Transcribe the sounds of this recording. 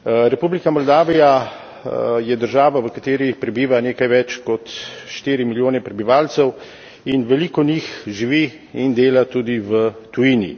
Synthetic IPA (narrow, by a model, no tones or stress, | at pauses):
ɾɛpublikamɔld̪aːʋija | jɛd̪əɾʒaːʋaʋəkat̪eːɾipɾɛbiːʋaneːkajʋɛt͡ʃkɔt̪ʃt̪iːɾimiljoːnɛpɾɛbiʋaːlsɛw | inʋɛliːkɔnixʒiʋi | ind̪eːlat̪uːd̪iʋət̪ujinḭ